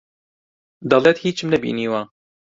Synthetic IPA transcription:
d̪ɑlˠeːt̪hiːt͡ʃʰɨmnɛbḭːniːwɑː

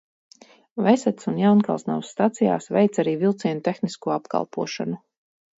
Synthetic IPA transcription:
vɛsɛt̪sunjawnkalˠsna̰wsːt̪at̪sija̰ːsvɛjt̪saɾiːvilˠt̪siɛnut̪exniskuɔapka̰lˠpṵɔʃa̰nu

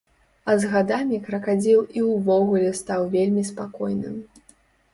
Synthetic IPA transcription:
ɐzɣad̪amʲikɾɐkad͡zʲilˠiwvɔɣulʲɛst̪awvʲelʲmʲispakɔjnɨ̰m

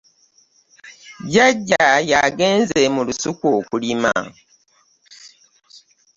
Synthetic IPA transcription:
ɟaɟːajaɡeːnzemulusukokulima̰

